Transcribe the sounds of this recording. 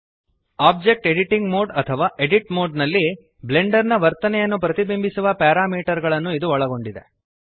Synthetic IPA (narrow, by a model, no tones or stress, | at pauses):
aːb̚d͡ʒek̚ʈeɖiʈiŋɡmoːɖɐt̪ʰɐʋaːʔeɖiʈmoːɖnɐlːi | ble̞ɳɖɐɾnɐʋɐɾt̪ɐnɛjɐnːupɾɐt̪ibimbʱisuʋɐpaːɾaːmiːʈɐɾɡɐɭɐnːuid̪uɔɭɐɡo̞ɳɖid̪e̞